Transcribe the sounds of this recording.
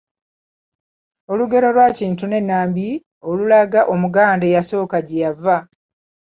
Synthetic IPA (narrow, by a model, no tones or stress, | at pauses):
o̞luɡe̞ɾo̞lwaːciːntune̞nːaːmbi | olulaɡaʔo̞muɡaːndejaso̞ːkaɟijavːa